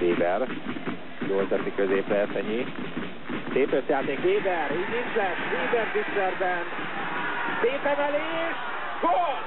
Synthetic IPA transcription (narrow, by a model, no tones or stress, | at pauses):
veːbɛr | ɟoːzɛt̪ikøzeːplɛːsɛɲi | seːpøt̪jaːt̪eːkveːbɛridinzɛʃveːbɛrzisɛrbɛn | t̪eːpɛmɛleː | ʃ | ɡo